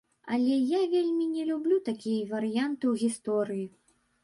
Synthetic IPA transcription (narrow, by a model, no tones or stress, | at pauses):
ɐlʲɛjavʲelʲmʲinʲɛlʲublʲut̪akʲijɐvɐɾɨjant̪ɨwɣʲist̪ɔɾɨji